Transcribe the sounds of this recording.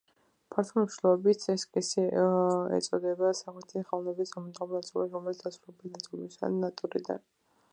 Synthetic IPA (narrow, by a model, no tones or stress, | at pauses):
pʰaɾt̪ʰɔmʃilɔbit̪sɛskʼisiɛ̰t̪sʼɔd̪ɛbasaχɛt̪ʰiχalˠnɛbisamd̪ʁɔnat̪sʼulˠasɾɔmɛlit̪d̪asʰɾulɛbinat̪ʼulisa̰nːat̪ʼuɾḭd̪a̰n